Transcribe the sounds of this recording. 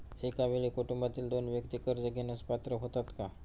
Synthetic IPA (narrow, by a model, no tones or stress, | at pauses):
ekaʋeɭiːkuʈumbat̪iːld̪onʋjəkt̪ikəɾd͡zəɡʱenəspat̪ɾəɦot̪at̪ka